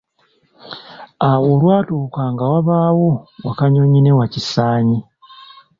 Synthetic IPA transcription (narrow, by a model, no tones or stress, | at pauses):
awoːlwaːtuːkaːŋɡawaβaːwowakaɲoɲine̞wacisaːɲi